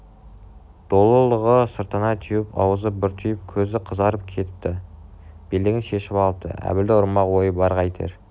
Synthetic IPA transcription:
d̪̥o̞lˠəlˠəʁəsəɾt̪ənɑt̪ʰʏjɪpɑ̰wəzəp̚bɪɾt̪ʰʏjɪp̚kʲʰɵzɪqʰəzɑɾəp̚kʲʰe̞t̪ɪ̥p̚t̪ːɪb̥elɪɡʲɪnʃe̞ʃɪpɑlˠəp̚t̪ə̰ʔæ̰bɪld̪ɪʊɾmɑqwo̞jəbɑɾqɑjt̪ʰḛɾ

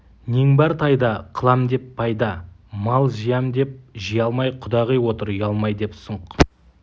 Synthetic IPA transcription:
neŋbɑɾt̪ʰɑjd̪ɑqʰəlˠɑmd̪e̞pːʰɑjd̪ɑmɑlˠʒijɑmd̪e̞p̚ʒijɑlˠmɑjqʰʊd̪ɑʁijwo̞t̪əɾjɑlˠmɑjd̪e̞psəɴq

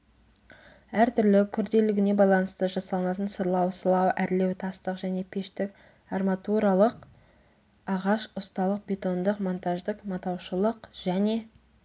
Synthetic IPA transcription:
æɾt̪ʰʏɾlɪkʲʰʏɾd̪e̞lɪɡʲɪne̞bɑjlˠɑnəst̪əʒɑsɑlˠənɑt̪ənsəɾlˠɑwsəlˠɑwʔæɾle̞wt̪ʰɑst̪əqʒæne̞pʲʰe̞ʃt̪ɪk | armat̪uɾalˠəq | ɑʁɑʃʊst̪ɑlˠəq̚bʲe̞t̪o̞nd̪əqmo̞nt̪aʒd̪əqmɑt̪ɑwʃəlˠəqʒ̥æne̞

